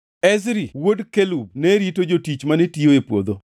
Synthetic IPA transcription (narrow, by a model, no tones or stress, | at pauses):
ɛzɾiwodkelub̚nɛɾitod͡ʒotit͡ʃmanetioepwod̪o